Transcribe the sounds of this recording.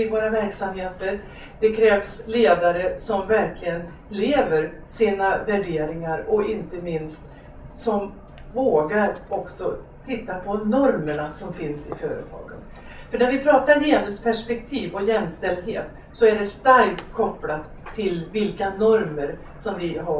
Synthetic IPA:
ɪvoːɾavæɾksamheːt̪əɾ | d̪̥ɛkʰɾɛːvsleːd̪aɾəsɔmvæɾkʰlɪɡən | leːvəɾsiːnavæɖeːɾɪŋaɾɔɪnt̪əmɪnst̪ | sɔm | voːɡaɾɔksɔ | t̪ʰɪt̪ːapʰɔnɔɾməɳasɔmfɪnsɪfœːɾə̰t̪ʰɑ̰ːɡə̰n | fœɳæɾvɪpʰɾɑːt̪ajeːnɵspʰæʂpɛkt̪ʰiːvɔjɛmːst̪ɛld̪ɦḛːt̪ | sɔæɖɛst̪aɾkt̪kʰɔpːlat̪ʰːɪlvɪlkanɔɾməɾ | sɔmvɪɦa

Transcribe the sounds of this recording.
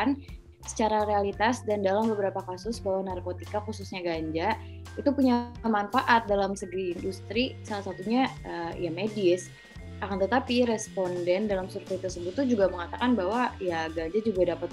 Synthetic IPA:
n | sə̥t͡ʃaɾaɾealit̪asdandalambəbəɾapakasʊsbaɦwanarkot̪ikakususɲaɡaɲd͡ʒa | it̪upuɲamanfaʔat̪̚dalamsəɡiːndust̪ɾisalasat̪uɲaəjamedɪs | akant̪ət̪apiɾɛspondɛndalamsurfɛt̪ərsəbʊt̪ːud͡ʒuɡaməŋat̪akanbaɦwajaɡaɲd͡ʒad͡ʒuɡadapat̪

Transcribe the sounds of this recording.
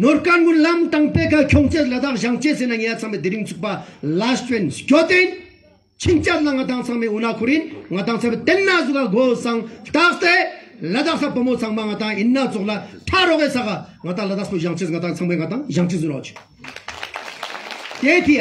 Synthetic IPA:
norkanŋunlamt̪aŋpekʰakʰoŋt͡ɕelad̪aχʑaŋt͡ɕesenaŋewat͡sʰaŋmed̪eɾək̚t͡sʰuk̚palastwenskʲot̪en | t͡ɕʰint͡ɕat̪laŋat̪aŋt͡sʰaŋmeonakʰorjinŋat̪aŋt͡sʰapet̪enːazək̚laɦɡosʰaŋht̪aχt̪elad̪aχsapəmot͡sʰaŋmaŋat̪aŋjinːat͡sʰoχlaʈ͡ʂʰaɾoχwesaχaŋat̪aŋlad̪aχsoʑaŋt͡ɕeŋat̪aŋt͡sʰaŋmeŋat̪aŋʑaŋt͡ɕezəroχt͡ɕə̥ | t̪et̪ʰi

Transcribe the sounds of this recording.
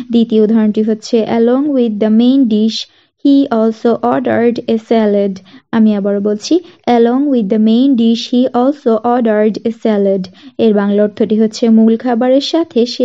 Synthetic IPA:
d̪it̪iod̪ʱɔɾonʈiɦotːɕʰeʔəlɔŋwid̪ːəmejnɖiʃ | hiɔlsoʔɔɖaɾɖesɛleɖamiɛbaɾobolt͡ɕʰiʔɛlɔŋwid̪ːəmẽjnɖiʃhiʔɔlsoʔɔɖaɾɖesɛleɖeɾbaŋlaoɾt̪ʰoʈiɦotːɕʰemulkʰabaɾeɾʃat̪ʰeʃe

